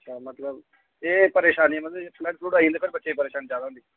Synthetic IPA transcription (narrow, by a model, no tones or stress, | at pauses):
əʃʰaːmət̪ləb | eːpəɾeːʃaːniɛmət̪ləpʰləʈsʰluːɖaːĩːnd̪ːpʰɪɾbəːt͡ʃʰeeːpəɾeːʃaːniːt͡ʃaːd̪aɦʊnd̪iː